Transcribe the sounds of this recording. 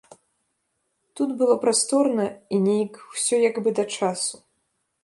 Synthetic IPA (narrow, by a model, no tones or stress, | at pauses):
t̪ud̪bɨlˠɔpɾast̪ɔrnɐinʲejikwsʲɔjaɡbɨd̪ɐt͡ʂasu̥